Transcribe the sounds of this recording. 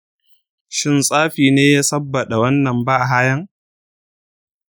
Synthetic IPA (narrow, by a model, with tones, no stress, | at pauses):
ʃɪ˦nsʼaː˦ɸiː˨neː˦jaː˦sɐ˦bːɐ˨ɗa˨wɐ˦nːɐ˨mbaː˦ʔa˨ɦaː˦jɐ˦ŋ